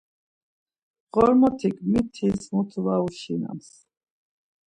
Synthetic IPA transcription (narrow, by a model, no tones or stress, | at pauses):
ɣɔɾmɔt̪ʰiɡmit̪ʰismut̪ʰvauʃina̰ms